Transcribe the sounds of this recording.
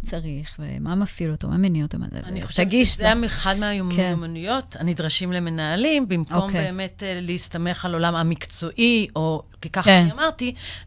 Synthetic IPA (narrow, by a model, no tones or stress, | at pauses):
t͡saʁiχvḛmamafiloto̰ma̰menioto̰ma̰zḛaniχoʃvɡizeameχadmeajomjomanujo̞tanidʁaʃimleme̞naːlimbimko̞mbeːme̞tleistame̞χalolamamikt͡so̞ʔiʔo̞kikaχamaʁti